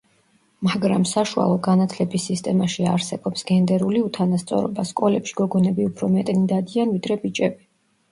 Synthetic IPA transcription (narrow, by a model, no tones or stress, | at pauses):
maɡɾamsaʃua̰lˠɔɡanat̪ʰlɛbisːist̪ʼɛmaʃiaɾsɛbɔpsɡɛnd̪ɛɾuliut̪ʰanast̪sʼɔ̰ɾɔ̰baskʼɔlɛpʃi̥ɡɔɡɔnɛbiupʰɾɔmɛt̪ʼnid̪ad̪ianvid̪ɾɛbit͡ʃʼɛbi